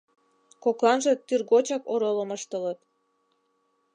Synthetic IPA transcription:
koklɑnʒə̆t̪yrɣot͡ɕɑkoɾoləməʃt̪ələt̪

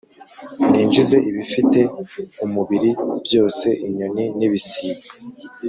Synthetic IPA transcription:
niːnd͡ʒize̞ʔiβifite̞umuβiɾibjo̞ːse̞ʔiɲoniniβisiːβa

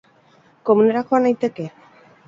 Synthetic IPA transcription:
ko̞mune̞ɾaxo̞anajt̪e̞ke̞

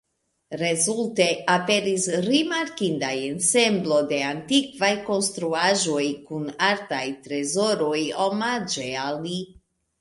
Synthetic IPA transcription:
ɾezulte̞ape̞ɾisɾimaɾkindajense̞mblo̞de̞ant̪ikvajko̞nst̪ɾuaʒo̞jkunaɾtajtɾe̞zo̞ɾo̞jomad͡ʒeali

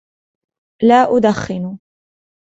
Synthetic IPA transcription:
laːʔʊd̪axːɪn

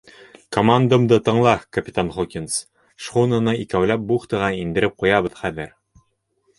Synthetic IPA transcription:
komand̪əmd̪ɤt̪ɤ̆ɴlˠɑkɐpʲi̥t̪anχukʲins | ʃχunɤnɤikæwlæp̚buχt̪ɤ̆ʁɑind̪ɘ̆ɾɘp̚qujɑβɤ̆ðχæðɘɾ

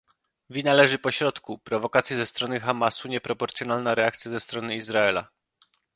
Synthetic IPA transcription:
vʲinalɛʐɘpɔɕɾɔt̪kupɾɔvɔkat̪sʲjɛzɛst̪ɾɔnɘxamasuɲɛpɾɔpɔɾt̪sʲjɔnalnaɾɛak̚t̪sʲjazɛst̪ɾɔnɘizɾaɛla̰

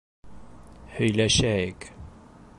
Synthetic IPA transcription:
hɵ̆jlæʃæjɪk

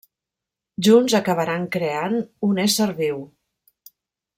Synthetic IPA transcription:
ʒunzəkəβ̞əɾaŋkɾeanunɛsəɾβiw

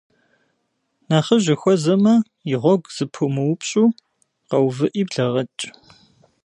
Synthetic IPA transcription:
naːχɐʑɪxʷɔzɐmɐ | jɪʁʷɔɡʷz̥ɨpʰumɨwʊpʰɕʼuː | qɐwvɨʔiːbɮɐʁɐt͡ʃʼ

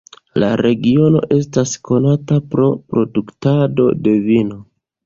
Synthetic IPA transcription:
la̰ɾe̞ɡio̞no̞̰ʔe̞stasko̞natapɾo̞pɾo̞duktado̞̰de̞vino̞

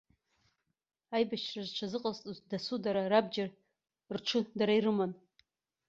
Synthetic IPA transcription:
ajbaʃrazt͡ʃʷʰazɨqʼatʼzdasudaɾarabd͡ʒar | rʈ͡ʂʷʰʊdaɾaiɾɨman

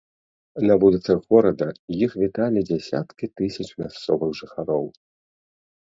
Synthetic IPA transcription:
nɐvulʲit̪sɐɣɣɔɾɐd̪ɐjixvʲit̪alʲid͡zʲasʲa̰t̪kʲit̪ɨsʲɐt͡ʂmʲast̪sɔvɨɣʐɨxaɾɔw

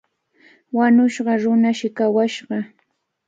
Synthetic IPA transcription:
waɲʊʃɢɑɾʊnaʃɪkawaʃɢɑ

